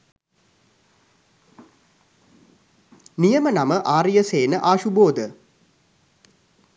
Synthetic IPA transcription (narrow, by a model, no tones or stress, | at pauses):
nijəmənaməʔaːɾijəseːnəʔaːʃuboːd̪ə